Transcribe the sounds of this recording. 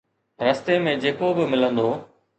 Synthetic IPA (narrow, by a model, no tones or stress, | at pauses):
ɾɐst̪emẽd͡ʑeːkobɪmɪlə̃nd̪oː